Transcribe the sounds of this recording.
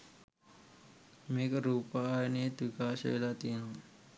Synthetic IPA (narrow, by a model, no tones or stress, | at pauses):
mekɾupanet̪ukasḛjlat̪in